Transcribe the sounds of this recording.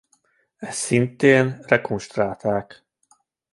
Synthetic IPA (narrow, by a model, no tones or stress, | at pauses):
ɛssint̪eːnrɛkonʃt̪raːt̪aːk